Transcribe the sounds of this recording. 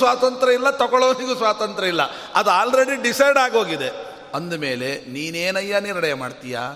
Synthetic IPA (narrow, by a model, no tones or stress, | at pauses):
sʋaːt̪ɐnt̪ɾɐilːɐt̪ɐɡɔɭoːniɡusʋaːt̪ɐnt̪ɾɐilːɐ | ɐd̪aːlɾeɽiɖisɐjɖaːɡo̞ːɡid̪e | ɐnd̪ume̞ːle̞niːneːnɐjːɐniɾɐɽɐjɐmaːɖt̪ija̰ː